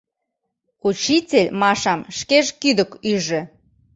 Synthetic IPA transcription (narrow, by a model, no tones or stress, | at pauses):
ut͡ɕit͡sʲelʲmɑʃɑmʃkeʒkyd̪əkyʒĕ